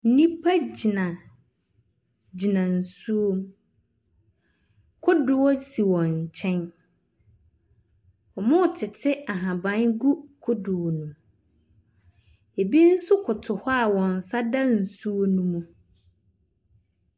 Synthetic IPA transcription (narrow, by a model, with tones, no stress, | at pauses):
n̩˦nĩ˦pʰa˦d͡ʑi˨nã˨ | d͡ʑi˨nã˨n̩˨su˦o˦m | kʰʊ˦dʊ˨wɔ˦si˨wɔ̃˨ɲ˨t͡ɕʰɛ̃˦n | ɔ˨mʊ̃˦˨tʰɪ˨tʰɪ˦a˨ɦã˨bã˦nɡu˦kʰʊ˦dʊ˨wo˨nũ˨ | e˨bi˦n̩˦sʊ˦kʰʊ˨tʰʊ˨hɔ˦a˨wɔ̃˨n̩˨sa˦dã˦n̩˨su˦o˦nũ˦mũ˦